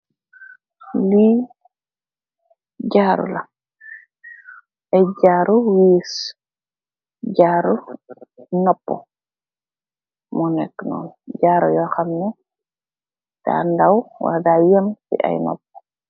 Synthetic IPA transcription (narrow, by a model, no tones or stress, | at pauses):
li | ɟaːɾṵla | ɛɟaːɾuwiːs | ɟaːɾu | nɔpːɔ̰ | mɔnɛkːnɔ̰ːnɟaːɾɔjɔxamnɛ | d̥a̰ndawwa̰dajɔnfḭʔa̰jnɔ̰p̚ːɔ̥